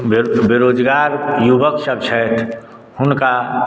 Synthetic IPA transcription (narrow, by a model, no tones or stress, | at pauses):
bbɪɾoːd͡ʒɡaːɾjuʋəkʃəbt͡ʃʰɛt̪ʰ | hʊnka